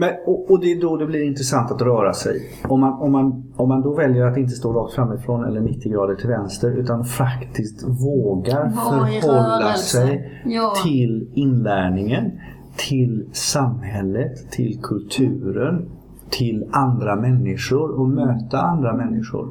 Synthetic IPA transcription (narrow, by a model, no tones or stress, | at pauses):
mɛnɔɔd̪ɛd̪ɔd̪ɛblɪɾɪnt̪ɾəsant̪at̪ɾœːɾasɛ̰j | ɔmːanɔmːanɔmːand̪ɔvɛljəɾat̪ɪnt̪əst̪oːɾɔk̚t̪fɾamːɪfɾoːnɛ̰lːəɳɪt̪ʰːɪɡɾɑːd̪əʈʰɪlvɛnst̪əɾʉ̟ːt̪anfakt̪ʰɪskt̪voːɡaɾfœɾhɔlːasɛjt̪ʰɪlɪnlæːɳɪŋən | t̪ʰɪlsamhɛlːət̪ʰːɪ̰lkʰɵlt̪ʰʉ̟ːɾən | t̪ʰɪland̪ɾamɛnːɪʂʊɾɔmøːt̪aand̪ɾamɛnːɪʂʊ̰ɾ